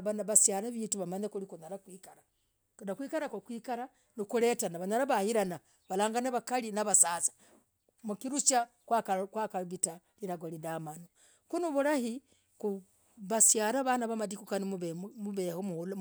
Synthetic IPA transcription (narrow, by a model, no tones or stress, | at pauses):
βanβasjaɾaβiːtuβamaɲekulikunaɾakwikaɾa | kunakwiːkaɾakokwiːkaɾa | nikuletanaβanaɾaβahiɾana | βalaːŋɡaneβakalinaβasaːsḁ | mukiɾut͡ʃakwakakwakaβitaliɾaɡolidamano | kunuβuɾahi | ku | βasjaɾaβanaβamadikukaniβmuβehomul